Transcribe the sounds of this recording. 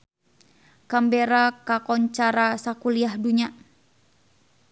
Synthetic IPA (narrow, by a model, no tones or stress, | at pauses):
kambeɾakakɔɲt͡ʃaɾasakuliahduɲa